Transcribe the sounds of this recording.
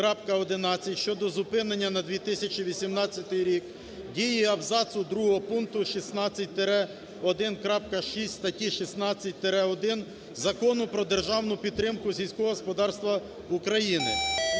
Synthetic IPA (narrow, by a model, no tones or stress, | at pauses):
kɾɑpkɐɔd̪ɪnɑt͡sʲijʃt͡ʃɔd̪ɔzʊpɪnenʲːɐnɐd̪ʋʲit̪ɪsʲɐt͡ʃiʋʲisʲimnɑt͡sʲːɐt̪ɪjɾʲik | dʲijiɐwzɑsʊd̪ɾuɦɔɦɔpunt̪ʊʃisnɑt͡sʲːɐt̚ʲt̪eɾɛ | ɔd̪ɪnkɾɑp̚kɐʃisʲtʲst̪ɐtʲiʃisnɑt͡sʲːɐt̚ʲt̪eɾɛɔd̪ɪn | zɐkɔnʊpɾɔd̪erʒɑwnʊpʲid̪ːɾɪmkʊsʲijsʲkɔɦɔɔspɔd̪ɑrst̪ʋɐ | ukɾɐjinɪ̰